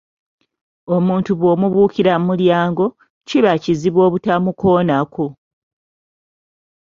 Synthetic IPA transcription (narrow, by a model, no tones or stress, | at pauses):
o̞muːntuβwo̞ːmuβuːkiɾammuljaːŋɡo̞ | ciβaciziβwo̞ːβutamuko̞ːnaku